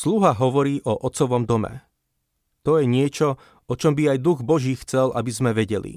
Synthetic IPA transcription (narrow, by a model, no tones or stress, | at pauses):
sluɦaɦɔʋɔɾiːʔɔʔɔt̪t͡sɔʋɔmd̪ɔmɛ̰ | t̪ɔjɛɲɪɛt͡ʃɔ | ɔt͡ʃɔmbiajd̪uɣbɔʒiːxt͡sɛlʔa̰bizmɛʋɛɟɛlḭ